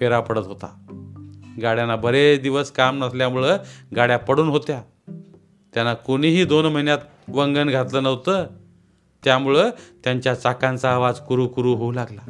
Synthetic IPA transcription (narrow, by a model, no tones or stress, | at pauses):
peɾapəɽət̪ɦot̪a | ɡaɽjanːabʱəɾed̪iʋəskamnəsljamuɭəːɡaɽjapəɽuːnɦot̪ja | t̪janːakoɽ̃iɦiːd̪onməɦinjat̪ | ʋəŋɡənɡʱat̪ləːnəʋt̪əː | t̪jamuɭəːt̪jaɲt͡ɕjat͡sakant͡saːʋad͡zkuɾuːkuɾuːɦoulaɡla